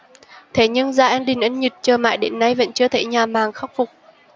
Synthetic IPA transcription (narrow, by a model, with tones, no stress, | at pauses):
t̪ʰe˧˨˩ɲɨ˧ŋzaː˧˩ʔa˧nɗï˨˩ŋ̟ʔə˧nɲi˨˩t̚t͡ɕəː˨˩ma̰ː˧˨jɗḛ˨˦nːa˧jvə̰˧˥nt͡ɕɨ˧ət̪ʰe˧˩ɲaː˨˩maː˨˩ŋxa˦˥wk͡p̚fʊ˨˩k͡p̚